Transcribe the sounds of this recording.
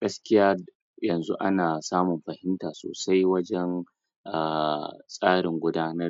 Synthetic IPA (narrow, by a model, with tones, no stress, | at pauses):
ɡ̥ɐ˦skʲɪ˦jaː˦ | jɐ˨nzu˦ʔa̰˦naː˨saː˦mʊ˨mɸɐ˨hɪ˦ntaː˨so̰ː˨sa˦jwɐ˦d͡ʒɛ˦n | ʔa˨sʼaː˦ɽɪ˨ŋɡʷʊ˦daː˦nɐ˦r